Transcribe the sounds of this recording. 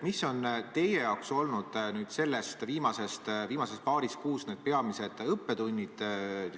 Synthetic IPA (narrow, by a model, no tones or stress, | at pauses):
misːo̞nt̪e̞jejɑwkso̞lnud̪̥nyːd̪̥se̞lːest̪viːmɑse̞st̪viːmɑsestpɑːɾiskuːsne̞ːd̪̥̚pe̞ɑmise̞d̪̥ɤpːe̞t̪unʲːid̪̥